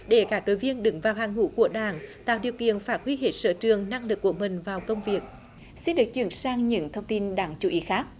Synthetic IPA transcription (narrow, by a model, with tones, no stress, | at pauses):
ɗe˧˩kaː˦˥k̚ɗo̰˧˨jvi˧ənɗɨ˨˦ŋvaː˨˩whaː˨˩ŋŋṵ˧˥ku˧˩əɗaː˧˩nt̪a̰ː˧˨wɗi˨˩əwkḭ˧˨ənfaː˦˥t̚hwi˧ɦe˧˩t̚sə̰ː˧˥t͡ɕɨ˨˩əŋna˧ŋlɨ˨˩k̚ːu˧˩əmï˨˩ŋ̟vaː˨˩wkə˧wŋ͡mvi˨˩ək̚ | si˧nɗɨ˨˩ək̚t͡ɕwḭ˧˩ənsaː˧ŋɲɨ̰˧˥ŋt̪ʰə˧wŋ͡mt̪i˧nɗaː˧˩ŋt͡ɕu˧˩˦ʔi˨˦xaː˦˥k̚